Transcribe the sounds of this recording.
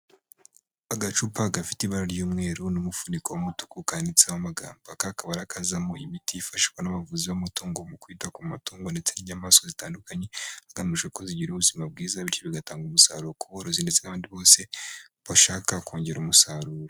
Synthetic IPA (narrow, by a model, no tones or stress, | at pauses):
aɡat͡ʃuːpaɡafi̥tiβaɾaɾjuːmŋe̞ːɾunumufunikowomutukukanit͡sawamaɡa̰ːmbakakaβaɾakʰazamoimitijifaʃi̥kwanaβavuziβamutuːŋɡo̞mukwiːtakummatuːŋɡo̞nde̞t͡seniɲamaːso̞zitaːndukaɲe̞aɡamuʃweko̞ziɟiɾuβuzimab̚ɡiːzaβiɾt͡ʃoβiɡataːŋɡumusa̰ːɾuɾokuβoɾozinde̞t͡senaβaːndiβo̞ːse̞ | βaʃaːkako̞ːɲɟe̞ɾumusaɾuːɾo